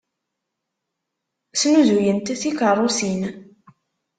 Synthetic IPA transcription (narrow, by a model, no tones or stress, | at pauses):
sluzujənt̪θikərˤːosin